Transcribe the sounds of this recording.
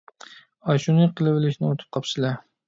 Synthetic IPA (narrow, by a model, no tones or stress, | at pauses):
ɑʃunɨqʰəlˠɨwɪlɪʃinɪot̪ʰɨ̥p̚qʰɑpʰʃɨlˠɑ